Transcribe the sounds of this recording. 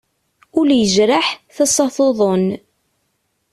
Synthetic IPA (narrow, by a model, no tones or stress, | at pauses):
ʊljəʒɾaħθɑsˤɑθoðˤon